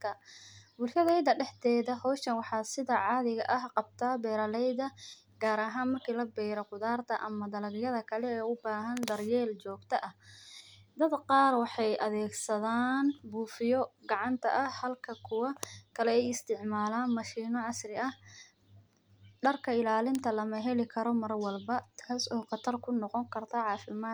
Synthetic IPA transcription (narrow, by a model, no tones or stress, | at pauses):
kʰɐbʊlʃɐðɛjd̪ɐɖɛħt̪ʰɛːðɐhɔːʃɐnwɑħɑːsɪðɐʕɑːðɪɣɐʔɐhqɑb̚t̪ʰaːbɛːɾɐlɛjðɐ | ɡ̥aːɾɐɦaːnmɐrkʰiːlɐbɛːɾɐqʊðaːrt̪ʰɐʔɐmɐd̪ɐlɐɣɪjɐðɐkʰɐlɛɛːʊbaːɦɐnd̪ɐrjɛːlt͡ʃɔːɡt̪ʰɐʔɐh | d̪ɐd̪qɑːrwɑħɑjʔɐðɛːɡsɐðaːnbuːfɪjɔɡɑʕɑnt̪ʰɐʔɐhɐlkʰɐkʰʊwɐkʰɐlɛɛjɪst̪ʰɪʕmaːlaːnmɐʃiːnɔʕɑsrɪʔɐh | ɖɐrkʰɐɪlaːlɪnt̪ʰɐlɐmɐɦɛlɪkʰɐɾɔmɐrwɐlbɐt̪ʰaːsɔːqɑt̪ʰɐrkʰʊnɔqɔŋkʰɐrt̪ʰɐʕɑːfɪmaː